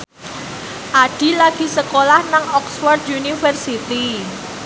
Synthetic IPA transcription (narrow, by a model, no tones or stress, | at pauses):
ʔaɖ̥i̤laɡ̥i̤səkolahnaŋɔksfɔrd̪junifərsit̪i